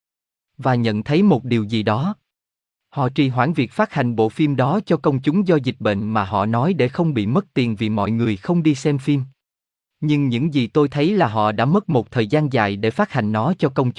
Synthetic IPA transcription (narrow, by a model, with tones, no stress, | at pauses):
vaː˨˩ɲə̰˧˨nt̪ʰə˨˦jmo˨˩t̚ɗi˨˩əwzi˨˩ɗɔ˨˦ | hɔ̰˧˨t͡ɕi˨˩ɦwaː˧˥˩nvi˨˩ək̚faː˦˥t̚ha˨˩jŋ̟ɓo̰˧˨fi˧mɗɔ˨˦t͡ɕɔ˧kə˧wŋ͡mt͡ɕʊ˨˦ŋ͡mzɔ˧zï˨˩k̟̚ɓḛ˧˨ŋ̟maː˨˩ɦɔ̰˧˨nɔ˨˦jɗe˧˩xə˧wŋ͡mɓḭ˧˨mə˦˥t̚t̪i˨˩nvi˨˩mɔ̰˧˨jŋɨ˨˩əjxə˧wŋ͡mɗi˧sɛ˧mfi˧m | ɲɨ˧ŋɲɨ̰˧˥ŋzi˨˩t̪o˧jt̪ʰə˨˦jlaː˨˩ɦɔ̰˧˨ɗa̰ː˧˥mə˦˥t̚mo˨˩t̚t̪ʰəː˨˩jzaː˧nza̰ː˧˨jɗe˧˩faː˦˥t̚ha˨˩jŋ̟nɔ˨˦t͡ɕɔ˧kə˧wŋ͡mt͡ɕ